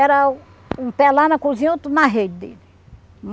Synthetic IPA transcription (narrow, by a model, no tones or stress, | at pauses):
ɛɾɐ | ũpɛlanɐkuzĩõt̪unɐɦed͡ʒɪd̪ḛlɪ | m